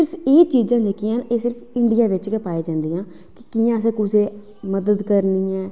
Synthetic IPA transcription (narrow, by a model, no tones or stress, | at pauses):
ɪɾpʰeːt͡ʃiːd͡ʒãːd͡ʒekijãːneːsɪɾpʰɪɳɖɪjãːʋɪt͡ʃkɛpaːeːd͡ʒãːnd̪iːãː | kɪkiːjãːsɛ̃ːkʊseː | məd̪əd̪kəɾniːɛː